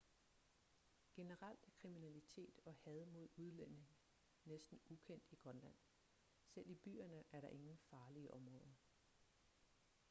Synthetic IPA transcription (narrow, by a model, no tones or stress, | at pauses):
ɡ̥e̝nəʁal̰d̥kʰʁiminælit͡sʰe̝̰ːd̥ɒ̽hɛð̞ˠmo̝ð̞̰ˠuð̞ˠlen̰e̝ŋ | nesd̥n̩ukʰen̰d̥iɡ̥ʁɶnlæn̰ | sel̰ib̥y̰ːɐnəʔæɐɾɑ̈ʔe̝ŋn̩fɑ̈ːliəʔɒ̽mʁɔ̽ːð̞ˠɐ